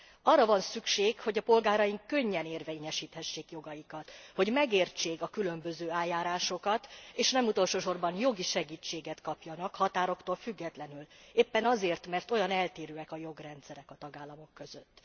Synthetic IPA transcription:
ɒrːɒvɒnsykʃeːkho̞ɟɒpo̞lɡaːɾɒjiŋkːø̞ɲːɛneːrveːɲɛʃiːt̪hɛʃːeːkjo̞ɡɒjikɒt̪ho̞ɟmɛɡeːrt͡ʃeːkɒkylø̞mbø̞zøːaːjːaːɾaːʃo̞kɒt̪eːʃnɛmut̪o̞lʃoːʃo̞rbɒnjo̞ɡiʃɛɡiːt͡ʃːeːɡɛt̪kɒpjɒnɒkhɒt̪aːɾo̞kt̪oːlfyɡːɛt̪lɛnyleːpːɛnɒzeːrt̪mɛrt̪o̞jɒnɛlt̪eːɾyɛkɒjo̞ɡrɛnt̪sɛɾɛkɒt̪ɒɡaːlːɒmo̞kːø̞zøt̪ː

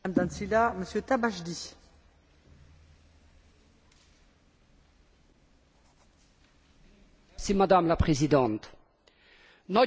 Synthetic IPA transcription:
md̪ãnsilaməsjøt̪abaʒd̪i | simad̪amlapχezid̪ɑ̃t̪ | nɔ

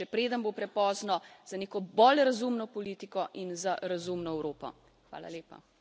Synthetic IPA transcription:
ʒɛpɾeːd̪ənbopɾɛpɔːznɔz̥aneːkɔbɔlɾazumnɔpɔliːt̪ikɔʔinzaɾazumnɔɛwɾoːpɔ̰ | xʋa̰ːla̰leːpa̰

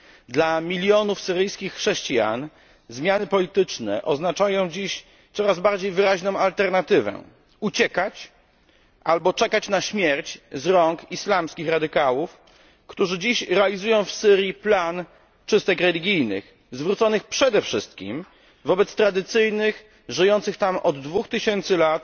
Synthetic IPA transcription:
d̪lamʲilʲjɔnufsɘɾɘjskʲixːʂɛɕt͡ɕija̰n | zmʲjanɘpɔlʲit̪ɘt͡ʂnɛ̰ʔɔznat͡ʂajɔ̃w̃d͡ʑiɕ | t̪sɔɾazbaɾd͡ʑejvɘɾaʑnɔ̃w̃alt̪ɛɾnat̪ɘvɛ̰ | ut͡ɕɛkat͡ɕ | ʔalbɔt͡ʂɛkat͡ɕnaɕmʲjɛɾt͡ɕzɾɔŋkislamskʲixɾad̪ɘkawuf | kt̪uʐɘd͡ʑiɕɾɛalʲizujɔ̃w̃fsɘɾʲjiplan | t͡ʂɘst̪ɛkɾɛlʲiɡʲijnɘ̰x | zvɾut̪sɔnɘxpʂɛd̪ɛfʂɘst̪̚kʲḭm | vɔbɛt̪st̪ɾad̪ɘt̪sɘjnɘx | ʐɘjɔnt̪sɘxt̪amʔɔd̪ːvuxt̪ɘɕɛnt̪sɘlat̪

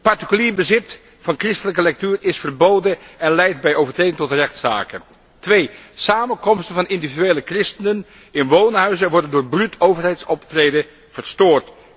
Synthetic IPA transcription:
əpɑɹtikyliːɹbəzɪt | fɑnkrɪstələkəlɛk̚tyːrɪsfərbowdənɛnlɛjt̚bɛjʔowvəɹtrejdɪŋtɔtrɛχtsa̰ːkə | tʋejsaːmənkɔmstənvɑnɪndividyeːləkrɪstənən | ɪnʋownɦœɥzənʋɔɹdəndʊːɹblytʰowvəɹɦɛjtsɔptrejdə | v̥əɹstʊːɹt

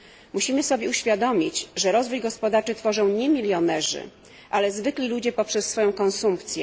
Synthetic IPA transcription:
muɕimɘsɔbʲjɛuɕfʲjad̪ɔmʲit͡ɕʐɛɾɔzvujɡɔspɔd̪aɾt͡ʂɘt̪fɔʐɔ̃w̃ɲɛmʲiljɔnɛʐɘ̰ | ʔalɛzvɘklʲilud͡ʑɛpɔpʂɛsːfɔjɔ̃w̃kɔnsumpt̪sʲjɛ

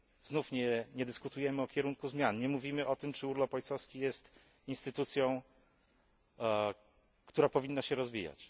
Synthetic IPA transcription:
znufɲɛɲɛd̪ɘskut̪ujɛmɘɔkʲɛɾuŋkuzmʲjanɲɛmuvʲimɘʔɔt̪ɘmt͡ʂɘuɾlɔpɔjt̪sɔfskʲijɛst̪ | inst̪ɘt̪ut̪sʲjɔ̃w̃ | kt̪uɾapɔvʲinːaɕɛɾɔzvʲija̰t͡ɕ

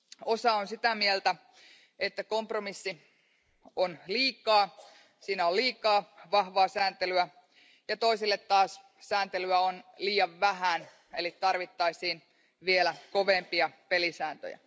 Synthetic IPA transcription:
osɑonsit̪æmielt̪æ | et̪ːækompromisːi | onliːkɑː | siːnæolliːkɑːʋɑhʋɑːsæːnt̪elyæ | jɑt̪oisilːet̪t̪ɑːs | sæːnt̪elyæonliːjɑʋʋæhæn | elit̪ɑrʋit̪ːɑisiːn | ʋielækoʋempiɑpelisæːnt̪ø̰jæ̰

